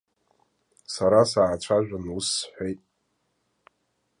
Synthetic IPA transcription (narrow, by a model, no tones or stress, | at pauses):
saɾasaːt͡ɕʷʰaʒᶣʷanusħʷᶣejtʼ